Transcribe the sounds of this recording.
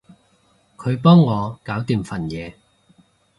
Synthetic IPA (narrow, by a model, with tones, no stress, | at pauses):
kʰɵ˨˧ɥpɔː˥ŋːɔː˨˧kaː˨˥wt̪iː˨mfɐ˨˩njɛː˨˧